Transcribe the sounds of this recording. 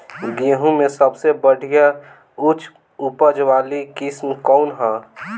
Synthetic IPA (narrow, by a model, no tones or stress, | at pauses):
ɡiɦũmẽsəbsebəɽ̤ʱija | ʊt͡ʃʰ | ʊpəd͡ʒʋaːlikɪsmkɔːnɦãː